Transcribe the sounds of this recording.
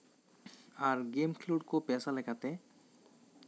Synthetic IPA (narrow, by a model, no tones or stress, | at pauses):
aɾɡemkʰluɖkopɛsalɛkʰat̪e